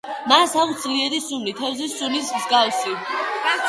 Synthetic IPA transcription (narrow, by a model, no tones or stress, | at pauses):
masaut̪sʰliɛɾisumlit̪ʰɛvzisulismzɡawsi